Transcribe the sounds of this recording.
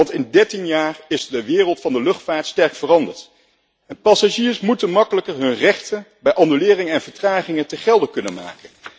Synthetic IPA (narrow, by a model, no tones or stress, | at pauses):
ɑntɪndɛɹtinjaːrɪzdəʋɪːrəlˠtfɑndəlɵχtfaːɹtstɛɹkfərɑndəɹt | ɛnpɑsaʒiːɹsmutənmɑkələkəɹɦɵnrɛχtənbɛjʔɑnylɪːrɪŋəɛnv̥əɹtraːχɪŋətəχɛlˠdəkɵnə̰nma̰ːkən